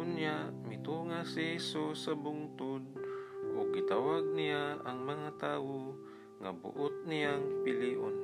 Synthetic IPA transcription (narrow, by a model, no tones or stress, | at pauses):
ʊnjaʔmɪt̪uːŋasɪhɛsusːɐbʊŋt̪ʊd̪̚ʔʊɡɪt̪awaɡ̚nɪjaɐŋmɐŋat̪aːwo | ŋa̰bʊ̰ʔʊt̪̚nɪjaŋpɪliːʔo̰n